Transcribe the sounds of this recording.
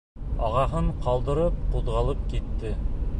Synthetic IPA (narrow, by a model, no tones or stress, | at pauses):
ɑʁɑɦɤɴqɑlˠd̪ɤ̆ɾɤp̚quðʁɑlˠɤp̚kit̪ːɘ